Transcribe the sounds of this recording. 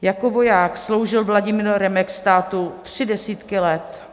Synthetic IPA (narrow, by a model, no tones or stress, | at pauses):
jakovo̞jaːkslo̞wʒɪlvlaɟɪmiːɾɾɛmɛkst̪aːt̪ut̪r̝̥ɪdɛsiːt̪kɪlɛt̪